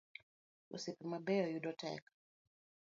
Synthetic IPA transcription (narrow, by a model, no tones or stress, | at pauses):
ṵsipɛmabɛɔjudɔtɛ̰k